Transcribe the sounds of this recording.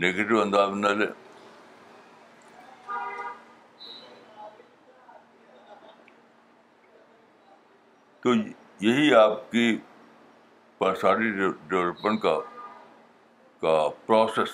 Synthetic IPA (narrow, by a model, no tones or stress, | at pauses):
neːɡeːʈɪʋɐ̃nd̪aːznɐlḛː | t̪oː | jɐɦiaːpki | pɐsaːɖiɖɛʋləpːə̃ɳʈka | kapɾɔːses